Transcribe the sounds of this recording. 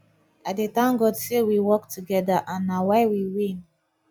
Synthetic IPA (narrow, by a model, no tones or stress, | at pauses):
at̚detãnɡɔdsewiwɔktʰuɡɛdaʔãnːawaɪwiwĩn